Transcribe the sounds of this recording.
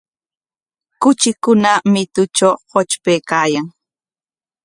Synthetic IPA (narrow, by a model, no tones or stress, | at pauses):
kʊt͡ʃɪkʊnamɪt̪ʊt͡ʃawhot͡ʃpeːkaːjaŋ